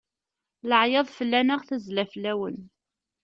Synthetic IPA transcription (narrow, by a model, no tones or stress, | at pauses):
ləʕjɑðˤfəlːænəʁθəzlæflːæwən